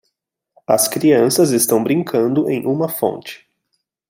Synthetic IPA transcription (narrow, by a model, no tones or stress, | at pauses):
ɐskɾiɐ̃sɐzest̪ɐ̃w̃bɾĩŋkʰɐ̃nd̪ʊʔẽj̃ʔũmɐfõ̰nt͡ʃɪ̥